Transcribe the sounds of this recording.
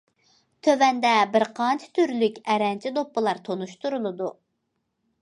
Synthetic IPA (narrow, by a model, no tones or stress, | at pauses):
t̪ʰøvɛnd̪ɛbɪɾqʰɑnt͡ʃʰi̥t̪ʰyɾlykʲɛɾɛnt͡ʃʰid̪opːɨlˠɑɾt̪ʰonuʃt̪uɾulˠɨd̪u